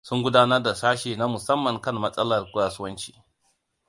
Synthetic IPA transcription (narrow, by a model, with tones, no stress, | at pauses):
sʊ˦ŋɡʷʊ˦daː˦nɐ˦rda˨saː˦ʃeː˨na˦mʊ˨sɐ˦mːɐ˨ŋkɐ˦mːɐ˦sʼɐ˦lɐ˨rkʷʊ˦ɽaː˨sʊ˦wɐ˦nt͡ʃi̥̰ː˦